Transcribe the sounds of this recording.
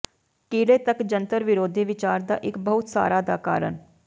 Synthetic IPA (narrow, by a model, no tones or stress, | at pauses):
kiːleːt̪əkd͡ʒənt̪əɾʋɪɾoːd̪ʱiːʋɪt͡ʃaːɾd̪a̰ːʔɪkbəʊt̪sa̰ːɾaːd̪aːka̰ːɾə̰n